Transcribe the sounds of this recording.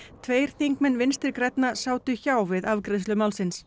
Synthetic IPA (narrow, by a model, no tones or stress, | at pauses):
t̪ʰveːjɾ̥θiŋkmɛnːvɪnst̪ɪɾkɾɛt̪nasaːwt̪ʏçaːwvɪðavkɾɪðslʏmaːwlsɪns